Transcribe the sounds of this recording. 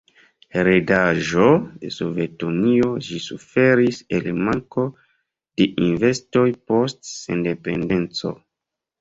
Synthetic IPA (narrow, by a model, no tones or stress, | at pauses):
ɾedaʒode̞sove̞tunio̞ʒisufe̞ɾiselmaŋko̞ | d̥e̞ʔinve̞sto̞jpo̞stsḛnde̞pe̞nde̞nt͡so̞̰